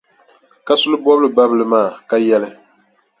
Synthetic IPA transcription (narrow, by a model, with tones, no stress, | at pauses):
ka˦sʊ˦lɨ˦bɔ˦bɨ˦lɨ˨ba˦bɨ˨lɨ˨maː˦˨ka˦jɛ˦lɨ˦